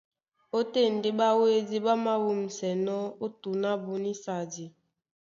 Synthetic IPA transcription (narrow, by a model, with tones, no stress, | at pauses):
o˦te˦˨n̩˨de˦ɓa˦we˦di˦ɓa˦ma˦wu˦m̩˨sɛ˨nɔ˦o˦tu˨na˦bu˦ni˦sa˨di˨